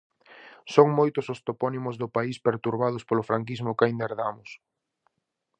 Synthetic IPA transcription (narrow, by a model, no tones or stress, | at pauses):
soŋmojt̪ʊsost̪opɔnimʊzðʊpaispeɾt̪uɾβað̞ʊspolʊfɾaŋk̬izmʊkajnd̪eɾðamʊs